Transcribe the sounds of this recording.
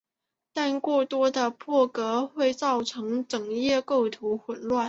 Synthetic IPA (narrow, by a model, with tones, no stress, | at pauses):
t̪a˥˧nkwɔ˥˩t̪wɔ˥d̪ə˨pʰɔ˥˩kɤ˧˥xwe˥˧ɪt͡sɑ˥˩ʊʈ͡ʂʰɤ˧˥ŋʈ͡ʂɤ˨˩ŋjɛ˥˧ko˥˩ʊt̪ʰu˧˥xwə˨˧˩nlwa˥˩n